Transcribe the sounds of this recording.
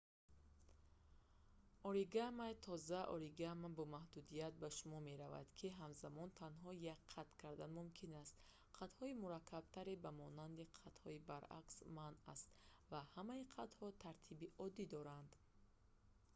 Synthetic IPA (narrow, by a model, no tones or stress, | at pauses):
ɔɾiɡamajt̪ʰɔzaʔɔ̰ɾiɡamabɔmahd̪ud̪ijat̪̚baʃumɔme̞ɾava̰d̪kʰiɦamzamɔnt̪ʰanɦɔjakqʰːat̪kʰaɾd̪anmumkʰinast̪ | qʰat̪hɔimuɾakʰːab̥̚t̪ʰaɾebamɔnand̪iqʰat̪hɔibaɾa̰ksmana̰st̪vahamaiqʰat̪hɔt̪ʰaɾt̪ʰibiʔɔd̪id̪ɔɾand̪